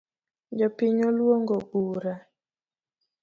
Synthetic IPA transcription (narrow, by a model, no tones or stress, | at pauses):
d͡ʒɔpɪɲolwoŋɡoɡuɾa